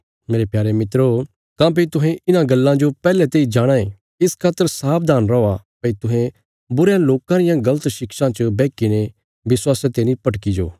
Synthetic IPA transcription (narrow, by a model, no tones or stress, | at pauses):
meːɾepjaːɾemɪt̪ɾo | kãpɪt̪ʊɦẽɪnãɡɐlːãd͡ʒopɛːlɛt̪eːid͡ʒaːɽ̃ãːẽ | ɪskʰaːt̪ːəɾsaːp̚ʰd̪aːnɾɔapɐit̪ʊɦẽ | bʊɾjãloːkãɾɪjãɡɐlət̪ʃɪkʃãt͡ʃəbɛːkiñe | ʋɪswaːset̪eːñĩpɐʈkid͡ʒo̰ː